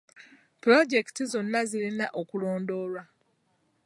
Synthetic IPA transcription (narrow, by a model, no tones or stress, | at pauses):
plo̞ɟe̞ki̥tizo̞nːazilinaʔokulo̞ːndo̞ːlwa